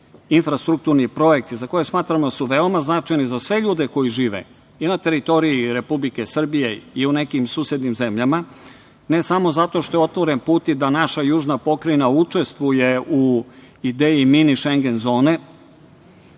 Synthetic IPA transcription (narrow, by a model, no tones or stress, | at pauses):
infɾast̪ɾuk̚t̪uɾnipɾo̞je̞k̚t̪izako̞jesmaːt̪ɾamod̪asuʋe̞omaznat͡ʃajnizasʋe̞ʎuːd̪e̞ko̞jiʒiːʋḛ | inat̪e̞ɾit̪o̞ɾiiɾe̞publike̞sr̩bije̞iune̞kimsuːsjed̪nimze̞mʎama | ne̞samo̞zat̪o̞ʃt̪o̞jo̞t̪ʋo̞ɾe̞npuːt̪id̪anaʃajuːʒnapo̞kɾinaut͡ʂe̞st̪ʋuje̞u | id̪eːjiminiʃeŋɡe̞nzo̞ːne̞